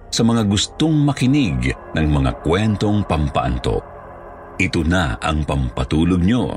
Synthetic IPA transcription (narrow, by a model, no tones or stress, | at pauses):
sɐmɐŋaɡʊst̪oŋmɐkɪnɪɡnɐŋmɐŋa̰kwɛnt̪o̞ŋpɐmpɐ̰ʔant̪o̰ | ʔɪt̪onaɐ̰ŋpɐmpɐt̪uːloɡ̚ɲo̰